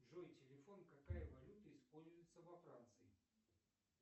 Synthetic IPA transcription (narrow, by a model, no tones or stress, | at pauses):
ʐojtʲɪlʲɪfonkakajəvɐlʲut̪əispolʲzʊjɪt̪səvɐfɾant̪sɨɪ